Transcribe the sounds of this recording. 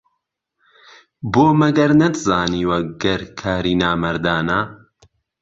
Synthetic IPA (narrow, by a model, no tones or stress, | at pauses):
boːmɐɡɐɾnɐd̪zaːniːwɐɡɐɾkʰaːɾiːnaːmɐɾd̪aːna